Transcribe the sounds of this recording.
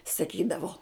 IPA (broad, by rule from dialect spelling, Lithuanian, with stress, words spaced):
sɐˈkʲiːdɐʋoː